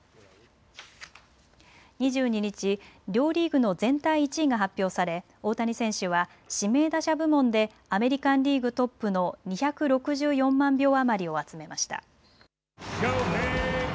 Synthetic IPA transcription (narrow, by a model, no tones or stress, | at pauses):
ɲ̟iʑɨːɲ̟iɲ̟it͡ɕiɾʲo̞ːɾʲiːɡɯ̟no̞zẽ̞nt̪aiːt͡ɕiːɡaɦapʲːjo̞ːsaɾe̞ | o̞ːt̪aɲ̟isẽ̞ɰ̃ɕɯβa | ɕime̞ːd̪aɕabɯ̟mõ̞nd̪e̞ | ame̞ɾʲikãnɾʲiːɡɯ̟t̪o̞pːɯ̟no̞ɲ̟içakɯ̟ɾo̞kɯ̟ʑɨːjõ̞mːãmbʲo̞ːamaɾʲio̞at͡sɨme̞maɕi̥t̪a̰